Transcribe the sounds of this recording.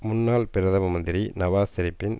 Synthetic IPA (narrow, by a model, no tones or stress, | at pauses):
mʊnːaːlpɪɾɐðɐʋɐmɐnd̪ɪɾinɐʋaːsɪɾɪpːɪn